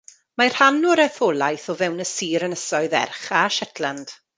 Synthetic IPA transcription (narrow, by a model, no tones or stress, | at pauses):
mar̥hanɔɾɛθɔːlˠajθɔvɛwnəsiːɾənəsɔɨðɛ̰rχaʃɛtʰlˠand̥